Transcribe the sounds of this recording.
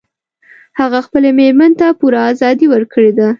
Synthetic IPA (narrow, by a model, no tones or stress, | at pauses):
haɣaxpəlemeɾmant̪apuɾaːzɑd̪iwəɾkʰəɽed̪a